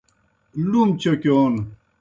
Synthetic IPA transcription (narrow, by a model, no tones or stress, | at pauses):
lumt͡ɕokon